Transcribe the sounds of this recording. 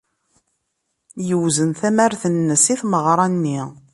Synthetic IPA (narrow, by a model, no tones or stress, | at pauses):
jəwzənθæmæɾθənːəsiθməʁɾˤɑnːi